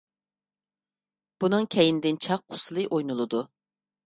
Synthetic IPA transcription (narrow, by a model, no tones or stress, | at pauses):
b̥unɨŋkʲʰɛjind̪ɪnt͡ʃʰɑqːʰʊ̥sɨlˠɨʔojnulˠɨd̪u